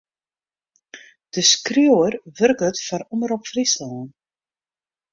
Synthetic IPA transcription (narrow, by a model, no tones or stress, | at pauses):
d̥əskrjoərʋɵrkətfɔɾɔməɾɔpfrislaːn